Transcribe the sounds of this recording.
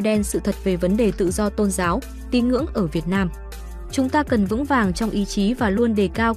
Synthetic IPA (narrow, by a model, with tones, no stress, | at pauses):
ɗɛ˧nsɨ̰˧˨t̪ʰə˨˩t̚ve˨˩və˨˦nɗe˨˩t̪ɨ̰˧˨zɔ˧t̪o˧nzaː˨˦w | t̪i˨˧˦nŋɨ̰˧˥əŋʔəː˧˩vi˨˩ət̚naː˧m | t͡ɕʊ˨˦ŋ͡mt̪aː˧kə˨˩nvɨ̰˧˥ŋvaː˨˩ŋt͡ɕɔ˧wŋ͡mʔi˨˦t͡ɕi˨˦vaː˨˩lu˧ənɗe˨˩kaː˧w